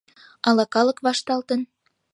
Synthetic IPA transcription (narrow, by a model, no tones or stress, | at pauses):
ɑlɑkɑlə̆kβɑʃt̪ɑlt̪ən